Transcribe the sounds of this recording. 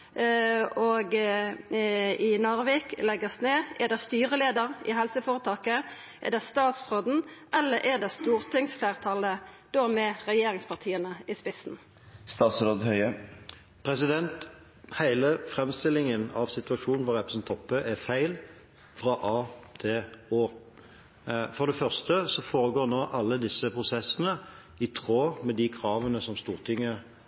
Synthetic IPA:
oɡ | ɪnoʁʋeklɛɡəsneːɛd̪ɛst̪yːʁəleːd̪əʁɪ̰ɦɛlsəfoːʁət̪ʰɑːkə | ʔɛ̰d̪ɛst̪ɑːt̪sʁoːd̪n̩ʔɛlːəɾʔɛd̪ɛst̪uːʁt̪ʰɪŋsflæːʁt̪ʰɑləd̪̥oːmɛʁɛjeːɾɪŋspʰɑʁt̪ʰiːənəɪspɪsn̩ | st̪ɑːt̪sɾoːd̪hœʏə | pʰɾɛsɪd̪ɛnt̪ | hæɪləfʁɛmst̪ɪlɪŋənɑʋsɪt̪ʉɑʂuːnn̩ʋʊʁɛpɾəsn̩t̪ʰɔpːəʔæfæɪl | fɾɑʔɑːt̪ʰɪloː | fɔd̪ɛfœʁst̪əsɔfoːɾəɡoːʁnoːʔɑlːəd̪ɪsːəpʰʁʊsɛsːənə | ɪt̪ʰʁoːmɛd̪ikʰʁɑːʋənəsɔmst̪uːʁt̪ʰɪŋːə

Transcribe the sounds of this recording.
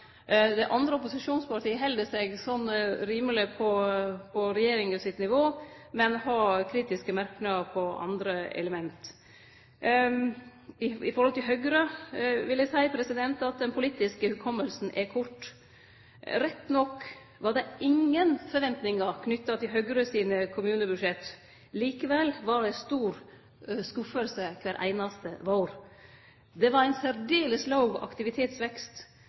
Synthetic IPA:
d̪ɛʔɑnd̪ɾəɔpʊsɪʂuːnspɑʈ̪iːəɦɛld̪əsɛɡsɔnɾiːməlɪpʰɔpʰɔɾɛjeːɾɪŋəsɪt̪nɪʋoː | mɛnhɑkʰɾiːt̪ɪskəmæɾknɑəɾpʰɔɑ̰nd̪ɾəɛ̰ləmɛnt̪ | ɪɪfɔɾhɔlt̪ʰɪlɦœɡɾəʋɪld̪æsæɪpʰɾɛsɪd̪ɛnt̪ɑt̪̚d̪ɛnpʰʊliːt̪ɪskəhʉlkʰɔmːəlsn̩ʔɛkʰʊʈː | ɾɛt̪ːnɔkː | ʋɑɾd̪ɛɪŋːənfɔɾʋɛnt̪nɪŋɑkʰnʏt̪ːɑt̪ʰɪlɦœɡɾəsiːnəkʰʊmʉːnəbʉʂɛt̪ː | liːkəʋɛlʋɑɖɛst̪uːɾ | skʉfəlsəkʰʋæːɾʔæ̰ɪnɑst̪əʋoːɾ | d̪ɛʋɑɾæɪnsæɾɖeːləslɑʊɡɔ̰ʔɑ̰kt̪ɪʋɪt̪ʰeːt̪sʋɛkst̪

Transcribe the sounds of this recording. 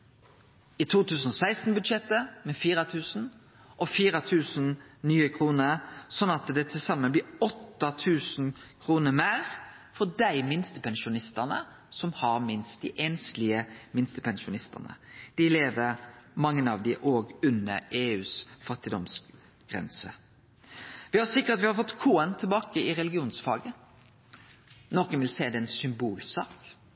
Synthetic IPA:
ɪt̪ʰuːt̪ʰʉːsn̩ɔsæɪst̪n̩bʉd̪ʃɛt̪ːəmɛfiːɾɑt̪ʰʉːsn̩ | ɔfiːɾɑt̪ʰʉːsnnyːəkʰɾuːnəɾsɔnːɑt̪d̪ɛt̪ʰɪlsɑmːənblɪːɔt̪ːɑt̪ʰʉːsnkʰɾuːnəɾmeːɾ | fɔd̪æɪmɪnst̪əpʰɛnʃʊnɪst̪ənə̰ | sɔmhɑɾmɪnst̪̚d̪ɪʔɛːnslɪəmɪnst̪əpʰɛnʃʊnɪst̪ə̰nə̰d̪̥ɪleːʋəɾmɑŋːənɑʋd̪ɪʔoːɡʉnːəɾeːʉːsfɑt̪ɪd̪ɔms | ɡ̥ʁɛ̰nsə | ʋɪɑsɪkːəɾt̪ɑt̪ʋɪhɑɾfɔt̪ːkʰuːənt̪ʰəlbɑːkəɪɾɛlɪɡɪuːnsfɑːɡə | nɔːkənʋɪlseːd̪ɛɛnsʏmbuːlsɑːk

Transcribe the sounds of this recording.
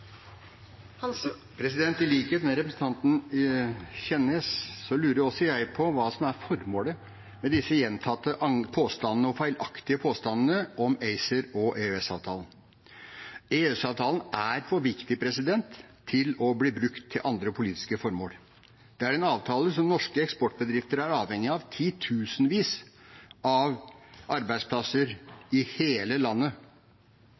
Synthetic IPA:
pʰɾɛsɪd̪ɛnt̪ɪliːkeːt̪næɾɛpɾəsn̩t̪ʰɑnt̪n̩ | çɛnːəssɔlʉːɾəjɔsːɔjæɪpʰɔʋɑːsɔmæɾfɔɾmoːlə | mɛd̪ɪsːəjɛnt̪ʰɑt̪ːəʔɑpʰoːst̪ɑnːənəɔfæɪlʔɑkt̪ɪəpʰoːst̪ɑnn̩əʔɔmeɪsəɾɔʔeʉɛsɑːʋt̪ʰɑːln̩ | eːɛsɑːʋt̪ʰɑːlənæɾfɔʋɪkt̪ɪpʰɾɛsɪd̪ɛnt̪ʰː | ɪlɔbliːbɾʉkt̪ʰːɪlʔɑnd̪ɾəpʰʊliːt̪ɪ̥skəfɔɾmo̰ːl | d̪̥ɛæɾɛnɑːʋt̪ʰɑːləsɔmnɔʂkəɛkspɔʈːbəd̪ɾɪft̪əɾæɾɑːʋhɛŋːɪɑʋt̪ʰiːt̪ʰʉːsənʋiːs | ɑʋʔɑɾbæɪd̪spʰlɑsəɾɪheːləlɑnːə

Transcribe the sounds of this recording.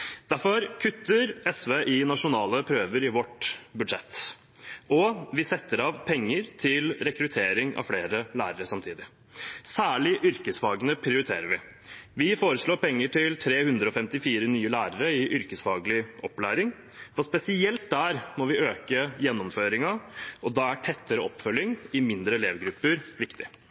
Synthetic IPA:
d̪̥æɾfɔɾkʰʉt̪ːəɾɛsʋeːʔɪnɑʂʊnɑːləpʰɾøːʋəɾɪʋɔʈbʉd̪ʂɛt̪ː | ɔʋɪsɛt̪ːəɾɑʋpʰɛŋːəɾt̪ʰɪlɾɛkɾʉt̪ʰeːɾɪŋɑ̰ʋfleːɾəlæ̰ːɾəɾəsɑmt̪ʰiːd̪ɪ | sæːɭɪʔʏɾkəsfɑːɡənəpʰɾɪʊɾɪt̪ʰḛːɾəʋɪ | ʋɪfoːɾəʂɭoːɾpɛŋːəʈɪlt̪ʰɾeːhʉnd̪ɾəɔfɛmt̪ɪfiːɾənyːəlæːɾəɾəɪʔʏɾkəsfɑːɡlɪʔɔpːlæːɾɪŋ | fɔspɛsɪɛlt̪̚d̪æɾmɔʋɪøːkəjɛnːɔmføːɾɪŋɑʔɔd̪ɑːæʈʰɛt̪ːəɾəɔpːfœlːjɪŋɪmɪnd̪ɾəleːʋɡɾʉpːəɾʋɪkt̪ɪ

